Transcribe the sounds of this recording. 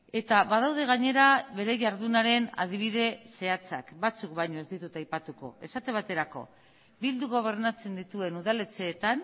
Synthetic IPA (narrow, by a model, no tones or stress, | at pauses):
e̞t̪aβaðawðe̞ɣ̞aɲe̞ɾaβe̞ɾe̞ʝaɾðunaɾe̞na̰ðiβ̞iðe̞se̞at͡sa̰kbat͡sukβajɲo̞e̞zd̪it̪ut̪ajpat̪uko̞̰e̞sat̪e̞βat̪e̞ɾako̞̰ | bild̪uɣ̞o̞β̞e̞ɾnat͡se̞nd̪it̪ue̞nuðalet͡seːt̪an